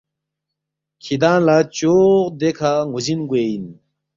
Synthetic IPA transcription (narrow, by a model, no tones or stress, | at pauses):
kʰid̪ãːlat͡ɕoːʁd̪ekʰaŋuzinɡuein